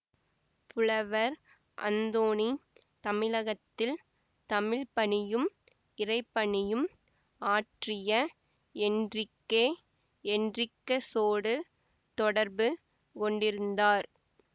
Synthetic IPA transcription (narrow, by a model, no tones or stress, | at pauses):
pʊlɐʋɐɾ | ʔɐ̰nd̪oːni | t̪ɐmɪlɐɣɐt̪ːɪl | t̪ɐmɪɻpːɐɳɪjɯm | ɪrɐɪpːɐɳɪjɯm | aːʈrɪjɐ | ɛndrɪkːeː | ɛndrɪkːɐsoːɽɯ | t̪ɔɽɐɾbɯ | kɔɳɖɪɾɯnd̪aːɾ